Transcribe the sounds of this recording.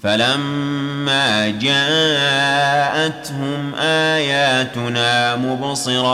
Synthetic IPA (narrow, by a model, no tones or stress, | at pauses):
falamːaːd͡ʒaː | ʔat̪hʊmʔaːjaːt̪ʊnaːmʊbsˤɨɾˤɑː